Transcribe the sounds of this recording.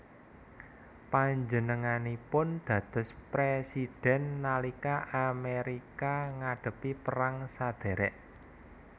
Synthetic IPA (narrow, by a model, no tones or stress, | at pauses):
paɲd͡ʒənəŋanipʊnd̪̥ä̤t̪ʊ̤spɾesid̪̥ɛ̤nːalikaʔameɾikaŋaɖ̥ə̤pipəɾaŋsad̪̥ɛ̤ɾɛʔ